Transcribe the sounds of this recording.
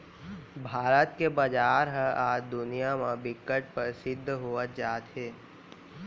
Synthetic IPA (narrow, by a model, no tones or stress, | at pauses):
bʱaːɾət̪kebəd͡ʒaːɾɦə̃aːd͡ʒd̪ʊnijamãbɪkːəʈ̚pəɾsɪd̪ʱːɦoːət̪̚d͡ʒaːt̪ɦeː